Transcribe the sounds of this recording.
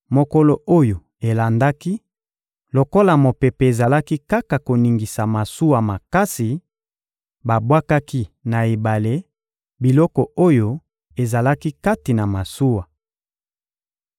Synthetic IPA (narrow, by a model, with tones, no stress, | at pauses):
mo˨ko˦lo˨o˦jo˨ | e˨la˨nda˦ki˦ | lo˨ko˦la˨mo˨pe˨pe˨e˨za˨la˦ki˦ka˦ka˨ko˨ni˨ŋɡi˨sa˨ma˨su˦wa˨ma˨ka˦si˨ | ba˨bwa˦ka˦ki˦na˨e˨ba˨le˦ | bi˨lɔ˦kɔ˨o˦jo˦ | e˨za˨la˦ki˦ka˦ti˨na˨ma˨su˦wa˨